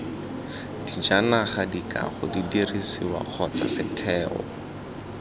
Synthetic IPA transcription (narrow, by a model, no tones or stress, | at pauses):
d̥id͡ʒanaχadikʼa̰χʊdidirisiwa̰k͡xʰɔt͡sasɪtʰɛːɔ